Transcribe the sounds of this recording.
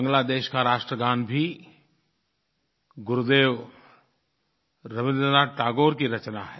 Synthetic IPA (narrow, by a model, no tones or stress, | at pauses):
bɐ̃ŋɡlad̪eːʃkaɾaːʃʈɾəɡaːnbʱi | ɡʊɾud̪eːʋ | ɾɐʋɪ̃nd̪naʈaːɡoːɾkiɾɐt͡ʃnaɦɛː